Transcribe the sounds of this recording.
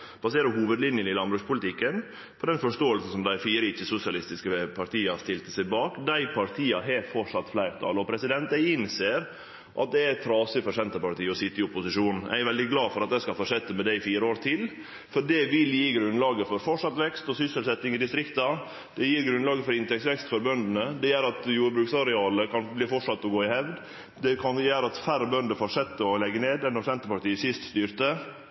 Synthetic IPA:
b̥ɑseːɾəhuːʋəd̪lɪnjənɪlɑnbɾʉspʊlɪt̪ʰɪkːən | pʰɔd̪ɛnfɔʂʈoːəlsn̩sɔmd̪æɪfiːɾəɪt͡ʃːəsʊsɪɑlɪst̪ɪskəpʰɑɾt̪iːɑst̪ɪlt̪əsæɪbɑːkd̪æɪpʰɑɾt̪ʰiːɑɦeːt̪fɔʂɑt̪ːflæɪɾt̪ʰɑ̰ːlɔpʰɾɛsɪd̪ɛnt̪̚d̪æɪɪnseːɾ | ʔɑ̰t̪̚d̪ɛæɾɛɾɑːsɪfɔʂɛnt̪əpɑɾʈ̪iːəɔsɪt̪ːəɪʊpːʊsɪʂuːnn̩æ̰ʋɛld̪ɪɡlɑːfɔɾɑt̪̚d̪æɪskɑlfɔʂɛt̪ːəmɛd̪æɪfiːɾəoːɾt̪ʰɪl | fɔɖɛʋɪljiːɡɾʉnlɑːɡəfɔɾfɔʈʂɑt̪ːʋɛkst̪ɔsʏsəlsɛt̪ːɪŋɪd̪ɪst̪ɾɪkt̪ɑ | d̪̥ɛjiːɾɡɾʉnlɑːɡəfɔɾɪnt̪ɛksʋɛkst̪fɔɾbœnd̪ənəd̪ɛjæːɾɑt̪juːɾbɾʉːksɑɾɛɑːləkʰɑnbliːfɔʈʂɑt̪ːɔɡoːɪhɛʋd̪ | d̪ɛkʰɑnjæːɾɑt̪fæɾbœnd̪əfɔʂɛt̪ːəɔlɛɡːəneːd̪ɛnːɔsɛnt̪əpɑʈiːəsɪst̪st̪yːɾt̪ə

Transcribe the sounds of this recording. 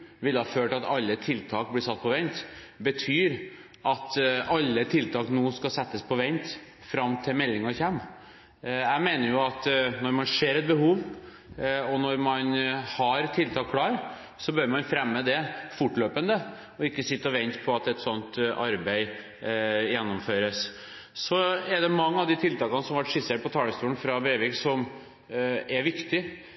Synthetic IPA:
ʋɪlːəhɑføːʈɑt̪ɑlːət̪ʰɪlt̪ʰɑːk̚blɪsɑt̪̚ːpʰɔʋɛnt̪bət̪ʰyːɾ | ʔɑt̪ɑlːət̪ʰɪlt̪ʰɑːknuːskɑsɛt̪ːəspʰɔʋɛnt̪ | fɾɑmt̪ʰɪlmɛlːɪŋɔçɛmː | æɪmeːnəɾjʊɑt̪nɔɾmɑnʂeːɾɛt̪̚bəhuːʋ | ɔnɔɾmɑnhɑɾt̪ʰɪlt̪ʰɑːkʰlɑːɾ | sɔbøɾmɑnfɾɛmːəd̪ɛfʊʈːløːpənd̪ə | ɔɪkːəsɪt̪ːəɔʋɛnt̪pʰɔɑt̪ɛt̪sɔnt̪ʔɑɾbæɪ | jɛnːɔmføːɾəs | sɔɛɖ̪ɛmɑŋːəɑʋd̪ɪt̪ʰɪlt̪ʰɑːkɑnəsɔmɑʋɑʈʂɪseːʈpʰɔt̪ʰɑːləst̪uːən̩fɾɑbɾeːʋɪksɔm | ɛɾʋɪkt̪ɪ

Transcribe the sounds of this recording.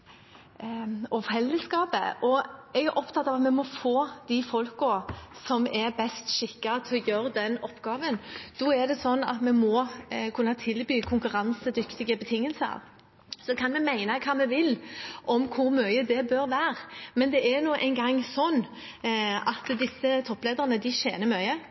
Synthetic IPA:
ɔfɛlːəskɑːpə̰ʔɔɛɡæɾʔɔpt̪ʰɑt̪ːɑʋɑt̪mɛmɔfoːd̪̥ɪfɔlkɔsɔmɛɾbɛst̪ʃɪkːɑt̪ʰɪɔjøːɾəd̪ɛnɔpːɡɑːʋənd̪̥ɔːɛd̪ɛsɔnːɑ̰t̪mɛmɔkʰʉnːɑt̪ʰɪlbyːkʰʊŋkʉɾɑnsəd̪ʏkt̪ɪɡəbət̪ʰɪŋːəlsəɑ̰ʋ | sɔkʰɑnmɛmæɪnəkʰɑːmɛʋɪlʔɔmkʰʊɾmœʏəd̪ɛbøɾʋæːɾmɛnd̪ɛʔæɾnuːʔæ̰ɪnɡɑŋːsɔnː | ɑt̪d̪ɪsːət̪ʰɔpːleːd̪əʁənəd̪ɪʃḛːnəɾmœʏə

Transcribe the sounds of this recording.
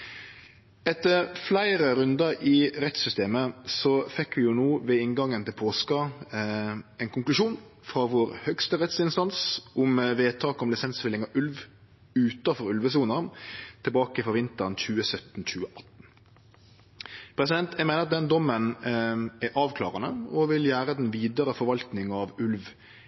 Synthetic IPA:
ɛt̪ːəɾflæɪɾəɾʉnd̪əɾɪɾɛt̪sʏst̪eːməsɔfɛkːʋɪjʊnoːʋɛɪŋɡɑŋːənt̪ɪlpʰoːskɑ | ɛɪnkʊŋklʉʃuːn | fɾɑʋʊɾhœkst̪əɾɛt̪sɪnst̪ɑnsʔʊmʋeːt̪ʰɑːkɔmlɪsɛnsʋɪlɪŋɑʔʉlʋ | ʉːt̪ɑfɔɾʉlʋəs̬uːnət̪ʰɪlbɑːkɪfɔɾʋɪnt̪əɾənçʉːəsœt̪n̩c͡çʉːəʔɑt̪n̩ | pʰɾɛs̬ɪd̪ɛnt̪ʰjæɪmɛːnəʁɑt̪̚d̪ɛnd̪ɔmːən | æɾʔɑːʋkʰlɑ̰ːʁənəɔʋɪljæːɾəd̪ɛnʋiːd̪əɾəfɔɾʋɑlt̪nɪŋɑʋʉlʋ

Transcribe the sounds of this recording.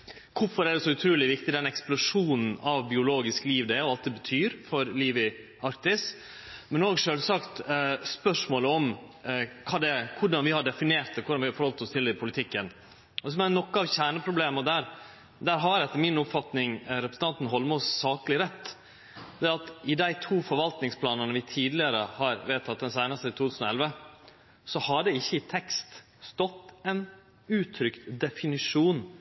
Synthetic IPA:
kʰʊfɔɾæɖɛsɔʉt̪ʰɾʉːlɪʋɪkt̪ɪd̪ɛnɛksplʊʂuːnn̩ɑʋbɪʊloːɡɪskliːʋd̪ɛɔɑlt̪̚d̪ɛbət̪ʰyːɾfɔɾliːʋɪ | ɑɾkt̪ɪs | mɛnoːɡʂøːlsɑkt̪spœʂmoːləɔm | kʰɑːd̪ɛkʰʊɖɑnʋɪhɑɖɛfɪneːɾt̪kʰʊɖɑnʋɪhɑɾfɔɾhɔlt̪ɔst̪ʰɪlɪpʰʊlɪt̪ʰɪkːən | d̪ɛs̬ɔmæɾnɔkːəɑʋçæːɳəpʰɾʊbleːməɔd̪æɾ | d̪æːɾɦɑɾɛt̪ːəɾmɪnʊpfɑt̪nɪŋɾɛpɾəsn̩ʰɑnt̪n̩ɦɔlmʊssɑːkəlɪɾɛt̪ː | d̪ɛːɑt̪ɪd̪æɪt̪ʰuːfɔɾʋɑlt̪nɪŋspʰlɑːnənəʋɪt̪ʰiːd̪lɪəɾəhɑɾʋeːt̪ʰɑt̪̚d̪ɛnsæɪnəst̪əit̪ʰuːt̪ʰʉːsn̩ɔɛlʋə | sɔhɑɖɛɪçːəɪt̪ʰɛkst̪ | st̪ɔt̪ːɛn | ʉːt̪ʰɾʏkt̪d̪ɛfɪnɪʂuːn

